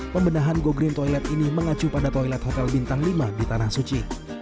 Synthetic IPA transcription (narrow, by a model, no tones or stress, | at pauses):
pəmbənaɦanɡoɡɾɪnt̪ɔjlɛt̪iniməŋat͡ʃupadat̪ojlɛt̪̚hot̪ɛlbint̪aŋlimadit̪anahsut͡ʃi